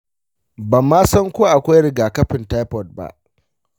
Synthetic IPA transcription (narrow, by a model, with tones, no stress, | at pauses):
bɐ˨mːaː˦sɐ˦ŋkʷoː˦ʔa˨kʷa˦jɽɪ˨ɡaː˨kɐ˦ɸɪ˨nta˦jpɔ˨t̚ba̰˦ʔ